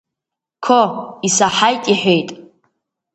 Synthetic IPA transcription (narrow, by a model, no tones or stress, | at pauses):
kʰoisaħajtʼiħʷᶣe̞jtʼ